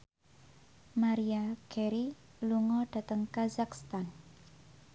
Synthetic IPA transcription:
maɾiakɛɾi | luŋɔɖ̥a̤t̪əŋkazakst̪an

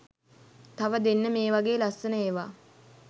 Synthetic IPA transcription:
t̪aʋəd̪enːəmeːʋaɡeːlasːənəeːʋaː

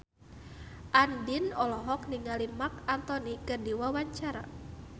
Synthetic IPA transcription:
ʔandinɔlɔɦɔk̚niŋalimakant̪ɔnikərdiwawaɲt͡ʃaɾa̰

